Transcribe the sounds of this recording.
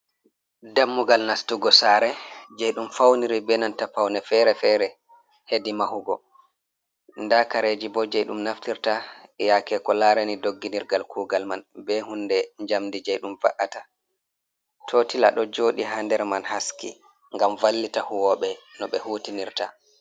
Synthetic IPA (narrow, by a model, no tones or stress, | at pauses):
damːuɡalnastuɡɔsaɾɛd͡ʒajɗumfawniɾibɛnantapawnɛfɛɾɛfɛɾɛ | hedimahuɡɔ̰ | ndakaɾed͡ʒibɔd͡ʒɛjɗumnaftiɾtajakɛkɔlaɾɛnidoɡːiniɾɡalkʰuːɡalmanbɛhundɛɲd͡ʒamdid͡ʒɛjɗumva̰ʔata | tʰoːtila̰ɗɔd͡ʒoːɗiɦandɛɾmanhaskḭ | ŋɡamvalːitahuwɔɓɛnɔɓɛhuːtiniɾta